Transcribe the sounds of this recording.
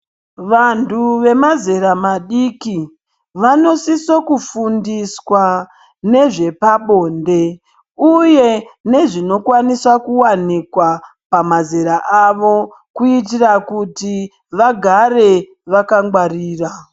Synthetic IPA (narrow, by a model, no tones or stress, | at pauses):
ʋantʰuʋe̞mazeɾamaɗiki | ʋano̞siso̞kufundiswa | ne̞ʐe̞paɓo̞ːnde̞ | uje̞ne̞ʐino̞kwaniswakuwanikwa | pamazeɾaʔaʋo̞ | kuit̬irakuti | ʋaɡʱare̞ | ʋakaŋɡwariːra